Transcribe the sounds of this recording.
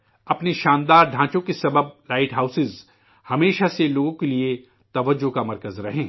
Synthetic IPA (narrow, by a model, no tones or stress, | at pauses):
ɐpneʃãːnd̪aːɾɖʱãːt͡ʃõkesɐbəb̚laːɪʈɦaːʊsɪz | hɐmeːʃaseloːɡõkelie | t̪ɐʋəd͡ʒːokamɐɾkəzɾɐɦẽː